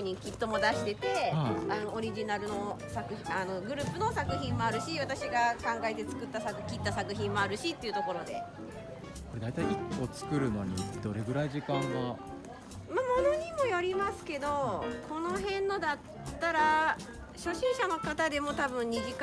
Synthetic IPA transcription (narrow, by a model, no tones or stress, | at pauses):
ɲ̟ikʲit̪ːo̞mo̞d̪aɕi̥t̪e̞t̪e̞ano̞ːɾʲiʑinaɾɯ̟no̞sakɯ̟iano̞ɡɯ̟ɾɯ̟ːpɯno̞sakɯ̟çĩmːoaɾɯ̟ɕiβat̪aɕiɡakãŋɡae̞t̪e̞t͡sɨ̥kɯ̟t̪ːasakɯ̟kʲit̪ːasakɯ̟çĩmːo̞aɾɯ̟ɕit̪ːe̞iɯ̟t̪o̞ko̞ɾo̞d̪e̞ | ko̞ɾe̞d̪ait̪aiikːot͡sɨ̥kɯ̟ɾɯ̟no̞̰ɲ̟ḭd̪̥o̞ɾe̞ɡɯ̟ɾaiʑikãŋɡa | mamo̞no̞ɲ̟imo̞joɾʲimasɨ̥ke̞d̪o̞kʰo̞no̞ɦẽ̞nːo̞d̪at̪ːaɾa | ɕo̞ɕĩɰ̃ɕano̞kat̪ad̪e̞mo̞t̪abɯ̟̃ɲ̟ɲːiʑik